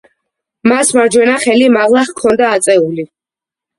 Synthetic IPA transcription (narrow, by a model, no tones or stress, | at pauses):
masmaɾd͡ʒwɛnaχɛlimaʁlˠaχkʰɔnd̪aːt̪sʼɛuli